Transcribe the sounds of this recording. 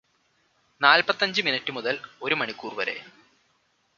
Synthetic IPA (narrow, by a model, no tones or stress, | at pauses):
naːlpɐt̪ːɐɲd͡ʑɨminɐʈːɨmuðɐlo̞ɾumɐɳikːuːrʋɐɾe̞̰